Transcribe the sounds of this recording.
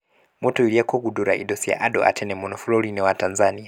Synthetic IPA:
mɔtɔiliakɔɡuduɾa̰ʔḭdɔsia̰ʔadɔ̰ʔa̰tʰɛnɛmɔnɔfulɔlinɛwatanzania

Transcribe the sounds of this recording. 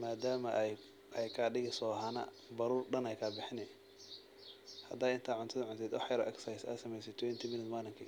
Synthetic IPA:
maːd̪aːmɐʔ | ɛjkʰaːɖɪɣɪsɔːɦanɐ̰ | bɐɾuːrɖɐnɛjkʰɐbɪħɪnɛ | hɐd̪aːɪnt̪ʰaːʕʊnt̪ʰɐðɐnʕʊnt̪ʰɛːd̪wɑħjɐɾɔʔɛksajsɐ̰ːsɐmɛjsɛt̪ʰwɛnt̪ʰimɪnɪt̪maːnɪŋkʰɪ

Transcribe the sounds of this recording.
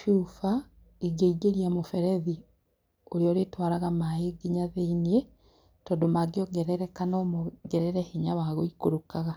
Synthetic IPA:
ʃufa | iɡeiɡeɾiamofɛɾɛði | oɾeɔɾetwaɾaɣamaeɡeɲaðeiniɛ | tɔːdomaɡeɔɡɛɾɛɾɛkanɔmoɡɛɾɛɾɛheɲaβaɣoikoɾokaɣa

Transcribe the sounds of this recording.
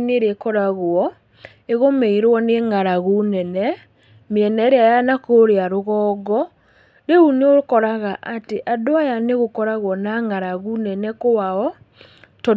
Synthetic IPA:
neɾekɔɾaɣwɔ | eɣomeiɾwɔneŋaɾaɣunɛnɛ | meɛnɛɾeajanakoɾeaɾoɣɔːɡɔ | ɾeuneokɔɾaɣaʔateʔadoajaneɣokɔɾaɣwɔnaŋaɾaɣunɛnɛkowaɔ | tɔ

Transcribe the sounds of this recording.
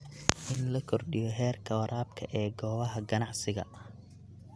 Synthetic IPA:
ʔɪnlɐkʰɔrɖɪjɔɦɛːrkʰɐwɾʔaːb̚kʰɐʔɛːɡɔːβɐɦɐɡɐnɑʕsɪɣɐ̰

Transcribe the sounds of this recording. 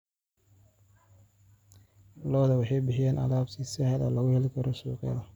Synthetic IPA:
lɔːðɐwɑħɑjbɪħɪjaːnʔɐ̰laːbt̪ʰisɛhɐlɔ̰ːlɐɣʊhɛlɪkʰɐɾɔsuːqɛ̰ːðɐ

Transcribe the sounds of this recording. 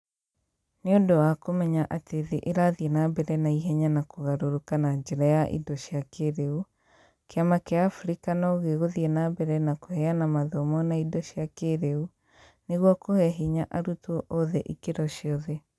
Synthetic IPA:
neondowakomɛɲaʔateðeʔeɾaðienabɛɾɛnaiɦɛɲanakoɣaɾoɾokanaɲd͡ʒɛɾajaʔḭdɔɕiakeɾeu | keamakeaːfuɾikanɔɣeɣoðiɛnabɛɾɛnakohɛanamaðɔmɔnaidɔɕijakeɾeu | neɣwɔkohɛɦiɲaʔaɾutɔʔɔðɛʔikeɾɔɕiɔðɛ

